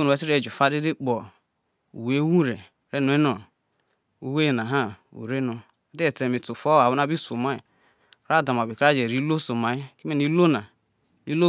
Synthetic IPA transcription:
o˦nu˨e˦ti˦ɾe˦˨d͡ʒu˨fa˦di˦di˦k͡pɔ˨ | ṵ˨we˦wu˦ɾe˨ | ɾe˦nu˨e˦no˨ | u˨we˦˨na˨ɦa˦ṵ˨ɾe˦no˨˦ | de˦e˨te˨mi˨tu˨fo˦˨a˨wu˦na˦bi˦su˨ma˦i˨ | ɾa˦˨da˨ma˨bi˨kɾa˦d͡ʒe˨ɾi˦lo˦so˨ma˨i˦ki˦me˦ni˦lo˦na˨ | i˦lo˦

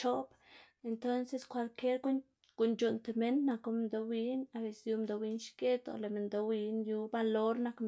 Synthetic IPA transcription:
t͡ʃo˦b | e˧nt̪o˦nse˧skʷa˧lke˦ɾ | ɡ̥u˧nd͡ʒu˨nt̪e˨me˦nːa˧ko˧m˧d̪o˧wi˦na˧be˧˨sju˧md̪o˧wi˧nʃke˦t̪o̰˨le˨me˨nd̪o˧wi˧nju˧ba˧lo˦ɾna˧k

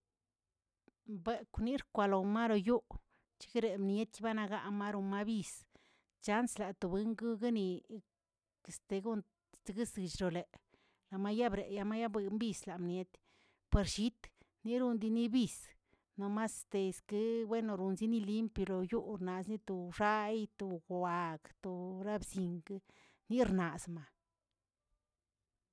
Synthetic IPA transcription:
be˧kʷni˦ɾkʷa˧lo˨ma˦ɾo˧ju˦ | t͡ʃi̥˧ɡɾe˨mnje˦t̪ba˦na˧ɡa˧ʔma˦ɾo˧ma˦bi˧s | t͡ʃa˦nsla˨t̪o˨bɨ˦ŋɡu˦ɡa˦ni˨ | e˨st̪e˨˧ɡu˦n | t̪e˧ɡɨ˦sɨ˨˧t͡ʃɾo˨le˨ | la˨ma˦ja˦bɾe˨ja˧ma˦ja˦be˧˦mbi˧sla˨mnje˧˦t̪ | pe˨˧ɾʃi˦t̪ | ni˦ɾu˧nd̪i˧ni˦bi˦˧s | no˧ma˦st̪e˧˨skɨ˦bwe˦no˧ɾu˧nzi˦ni˦˧li˦mpjo˧lo˨ju˦ɾna˨sni˦t̪o˨ʂa˦jt̪o˨ɡa˨kt̪o˨ɾa˦bsi˨ŋɡ | ni˦ɾna˨sma˨

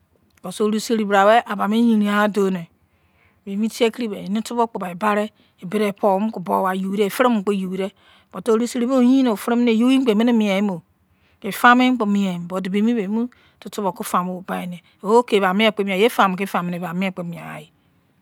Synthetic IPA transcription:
bo˨so˦˨ɾu˦se˦ɾi˨bɾa˨we˦ʔa˨ba˨me˦ji˨ni˨a˨˦do˨ne˨ | be˨mi˦ti˦e˦ki˦ɾi˦be˨ni˦tu˦bo˦k͡pu˨ba˨i˨ba˦ɾe˦ | e˨be˦ɾe˨pʰo˨˦m˦ku˨bo˨wa˨ju˨i˦ɾe˦˨fɾi˦m˦˨k͡po˦ju˨wi˨ɾe˦ | bo˨to˦ɾu˦se˦ɾi˨be˦˨˦ji˦no˨fɾi˦m˦ne˨jo˦i˦k͡pe˨me˦ne˦mi˨e˨˦mo˨ | ke˨fa˦mi˦k͡po˨mi˨e˨m˨bo˨di˨be˨mi˦be˨˦mu˦ | tu˨tu˦βo˨ku˦fa˨mo˦˨ba˨i˨ne˨ | o˨o˦ke˨βa˨mi˦e˦˨k͡pe˦mi˨a˨je˦fa˨m˨ke˦fa˨mi˨ne˨ba˨mi˦e˦˨k͡pe˦mi˨a̰˨ji˨

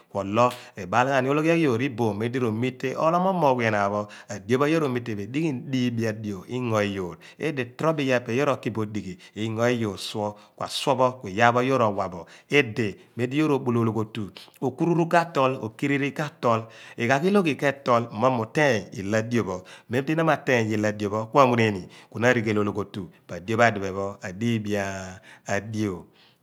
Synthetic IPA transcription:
kʷwɔ˨lɔ˦e˨ba˦la˨n˦o˦lo˦kɔ˦ki˦jo˨ɾi˦bo˨me˨˦di˦ɾo˨mi˦tːe˦ʔɔ̰˦lɔ˦mɔ˦mo˨we˨na˨bɔ˦a˨djo˦ba˦jo˦ɾo˨mi˦tːe˨be˨di˦ki˦di˦bi˨a˨do˨i˦ŋɔ˨i˦joː˨ɾ | ḛ˦de˨tɾɔ˦bi˦ja˦pe˨jo˦ɾo˨ki˦bo˨di˨ki˨i˦ŋɔ˨i˦jo˨swɔ˦kwa̰˨swɔ˦bɔ˦kʷi˨ja˦bɔ˦jo˦ɾo˨wa˨bɔ˨e˦de˨ | me˨˦di˦jo˦ɾo˨ɓo˨lo˨lo˨ko˨tu˨o˨ku˦ɾu˦ɾu˦ka˦tɔ˦lo̰˨ki˦ɾi˦ɾi˦ka˦tɔ˦le˨ka˨ki˦lo˦ki˨kɛ˦tɔ˦l̩˨mɔ˦mu˨tɛ˦˨ḭ˨la˦di˦o˨bɔ˨me˦m˦pi˦na˦ma˨te˦˨ji˨la˨djo˨bɔ˦kʷa˦˨ŋu˦ɾe˦˨ni˨ku˨na˦ɾi˨ke˨lo˨lo˨ko˨tu˨b̥a˨djo˦ba˦˨di˨be˨bɔ˦a˨di˦bi˨aː˦˨ | di˦o˨

